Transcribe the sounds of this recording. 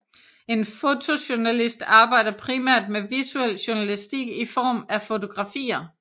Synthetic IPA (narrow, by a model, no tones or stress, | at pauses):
e̝nfo̝t͡sʰo̝ɕunælisd̥ɑ̈ːb̥ɑ̈ɪ̰d̥ɐpʰʁimæɐ̰d̥meʋiɐt͡sʰuel̰ɕuɐnælisd̥iɡ̥ifɒ̰ːmæfo̝t͡sʰo̝ɡ̥ʁɑ̈fḭːɐ